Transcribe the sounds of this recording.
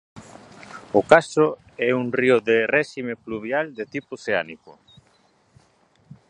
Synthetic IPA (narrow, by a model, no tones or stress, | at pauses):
ʊkasʊ | ɛuŋrioðerɛʃimepluβjald̪et̪ipʊseanikʊ